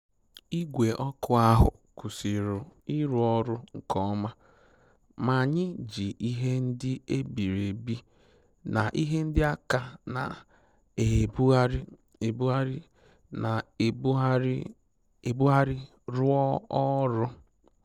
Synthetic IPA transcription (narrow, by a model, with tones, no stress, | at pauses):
i˦ɡʷe˨ʔɔ˦kʊ˦a˦ɦʊ̰˨ | kʊ˨si˨ɾʊ˨i˦ɾʊ˨ɔ˦ɾʊ˦ŋ̩˦kɔ˦ma˦ | ma˨ɲɪ˦d͡ʒi˨ʔi˦ɦe˦n̩˦dɪ˦e˦bi˨ɾe˨bi˦ | na˨ʔi˦ɦe˦n̩˦dɪ˦a˦ka˨na̰˨ | e˨bɾ | e˨bu˦a˦ɾɪ˦ | na˨˦ | e˨bu˦ɦa˦ɾɪ˦ | ɾʊ˦ɔ˦ɔ˦ɾʊ˦